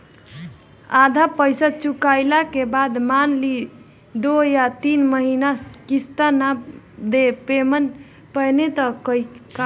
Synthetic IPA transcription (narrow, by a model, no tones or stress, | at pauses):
ad̪ʱapəjsat͡ʃukajlakebad̪manli | d̪ojat̪inməɦinaskist̪ana | d̪epemən | pəjnet̪əkəika